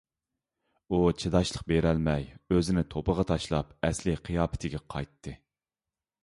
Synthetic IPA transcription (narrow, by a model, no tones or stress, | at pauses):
ut͡ʃʰed̪ɑʃlˠəqbeɾɛlmɛjøzɪnɪt̪ʰopəʁɑt̪ʰɑʃlˠɑpɛslɪqʰijɑːpʰɪ̥t̪ʰɪɡʲɛqʰɑ̰jt̪ʰːɨ